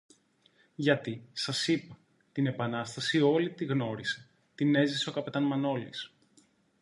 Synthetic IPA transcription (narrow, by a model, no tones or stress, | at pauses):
ʝɐt̪isɐsipɐ | t̪ine̞pɐnɐst̪ɐsio̞lit̪iɣno̞ɾise | t̪ine̞ziseo̞kɐpe̞t̪ɐnmɐno̞lḭs